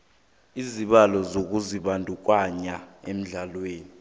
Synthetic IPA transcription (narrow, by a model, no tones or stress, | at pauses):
iziɓalɔzok̬uziɓandʱuk̬waɲaem̩ɮalweːni